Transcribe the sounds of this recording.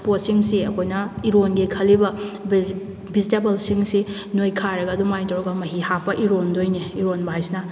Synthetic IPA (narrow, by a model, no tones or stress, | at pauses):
posiŋsiɐkʰojnɐiɾonɡikʰɐlibɐ | bizitebɐlsiŋsi | nojkʰaɾɐɡɐdumajtɐwɾɐɡɐmɐɦihapʰɐʔiɾondojniiɾonbajsnɐ